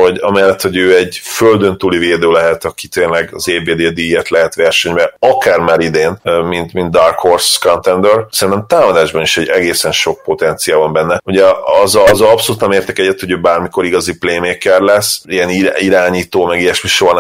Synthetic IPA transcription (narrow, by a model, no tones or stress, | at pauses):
ho̞ɟɒmɛlːɛt̪ho̞ɟøːɛɟføld̪ø̞nt̪uːliveːd̪øːlɛɦɛt̪ɒki̥t̪eːnlɛɡɒzeːbeːd̪eːd̪ijɛt̪lɛɦɛt̪ʋɛrʃɛɲbɛɒkaːrmaːɾid̪eːnmint̪mind̪d̪arkhorskont̪ɛnd̪ørsɛɾint̪ɛmt̪aːmɒd̪aːʒbɒniʃɛɟɛɡeːsɛnʃo̞k̚po̞t̪ɛnt̪sijaːlvɒmbɛnːɛuɟɛɒzzɒpsoluːt̪nɛmeːrt̪ɛkɛɟɛt̪ho̞ɟøːbaːrmiko̞ɾiɡɒzipleːmeːkɛrlɛsːiɛniiɾaːɲiːt̪oːmɛɡiɛʃmiʃoːn